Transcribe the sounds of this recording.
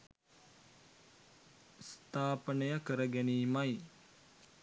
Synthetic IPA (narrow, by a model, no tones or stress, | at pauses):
st̪ʰaːpənəjakəɾəɡæniːmaj